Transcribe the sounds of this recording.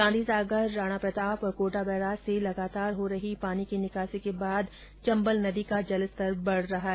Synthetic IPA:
sãːnd̪isaːɡəɾːaːɽ̃apɾɐt̪aːpɔːɾkoːʈabɛːɾaːselɐɡaːt̪aːɾɦoɾɐɦipaːnikinɪkaːsekebaːd̪ | t͡ʃɐ̃mbəlnɐd̪ikad͡ʒɐləst̪ɐɾbɐɽ̤ɾɐɦaɦɛ

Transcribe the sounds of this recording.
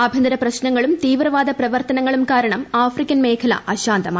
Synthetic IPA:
ɐbʱɐnd̪ɐɾɐprɐɕnɐŋːɐɭumt̪iːʋrɐʋaːd̪ɐprɐʋɐrt̪ɐnɐŋːɐɭumkaːɾɐɳɐmaːfrikʲːɐnmeːkʰɐlɐ̰ʔɐɕaːnt̪ɐmaː

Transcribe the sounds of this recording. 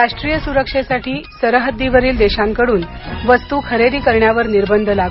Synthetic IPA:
ɾaʂʈɾijəsuɾəkʂesaʈʰiːsəɾəɦəd̪ːiʋəɾiːld̪eɕaŋkəɽuːnʋəst̪ukʰəɾed̪iːkəɾɳjaʋəɾniɾbənd̪ʱlaɡ

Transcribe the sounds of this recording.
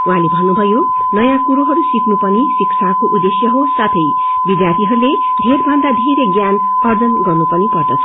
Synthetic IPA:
ũɦãlebʱʌnːubʱʌjo | nʌjãkuɾoɦʌɾusiknupʌnisikt͡sʰakoʔud̪esjʌɦosat̪ʰʌj | bid̪jart̪ʰiɦʌɾule | d̪ʱerbʱʌnd̪ad̪ʱeɾeɡjan | ʌrd͡zʌnɡʌrnupʌnipʌrd̪ʌt͡sʰʌ̥

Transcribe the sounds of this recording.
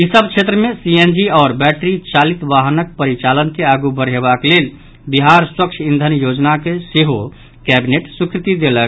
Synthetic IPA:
isəb̚t͡ʃʰet̪ɾəmesiend͡ʒiaːɾbɛʈɾit͡ʃalit̪ʋaɦənək̚pəɾit͡ʃalənkeaɡubəɾɦebaklel | biɦaɾswəkt͡ʃʰind̪ʱənjod͡ʒnakeseɦo | kɛbineʈsukɾit̪id̪elək

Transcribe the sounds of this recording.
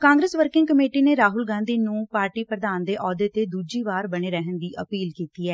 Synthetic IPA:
kãːŋɡɾeːsʋəɾkɪ̃ŋɡkəmeːʈiːneːɾaːɦʊlɡãːnd̪iːnũːpaːɾʈiːpɾəd̪aːnd̪eːʔɔːd̪eːt̪eːd̪uːd͡ʒiːʋaːɾbəɽ̃eːɾɛɦənd̪iːʔəpiːlkiːt̪iːɛː

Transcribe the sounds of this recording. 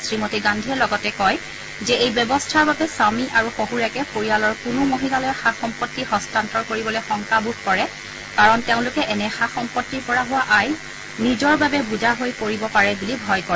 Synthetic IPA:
sɹimotiɡandʱiɛlɔɡɔtɛkɔj | zɛejbjɔbɔstʰaɹbabɛsamiʔaɹuxoɦuɹakɛpʰoɹijalɔɹkʊnʊmoɦilalɔjɛxaxɔmpɔtːihɔstantɔɹkoɹibɔlojxɔŋkabuɡʱkɔɹɛ | kaɹɔnteʊ̃lʊkɛʔɛnɛxaxɔmpɔtːiɹpɔɹaɦʊwaʔaj | nizɔɹbabɛbuzaɦojkoɹibɔpaɹɛbulibʱɔjkɔɹɛ

